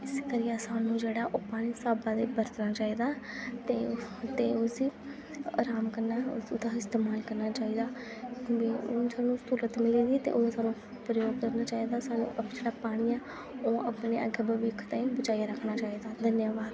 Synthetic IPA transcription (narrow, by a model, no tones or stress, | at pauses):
ɪskəɾɪjaːsaːnũːd͡ʒeːɽaːʔoːpaːɽ̃iːsaːbãːd̪ebəɾt̪naːt͡ʃaːiːd̪aːt̪eːt̪eːosiː | ɾaːmkəɾnaːd̪aːɪst̪eːmaːlkəɾnaːt͡ʃaːiːd̪aː | eːsaːnũːst̪uːɾət̪mɪliːd̪iːt̪ḛːʔod̪aːsaːnũː | pɾəjoːɡd̪əɾnaːt͡ʃaːiːd̪aːsaːnṵ̃ːʔəd͡ʒeːɽaːpaːɽ̃iːɛː | oːəpneːʔə̰ɡeːbəʋiːkʰt̪aĩbət͡ʃaːjaːɾəkʰnaːt͡ʃaːiːd̪aːd̪ənjaːbaːd̪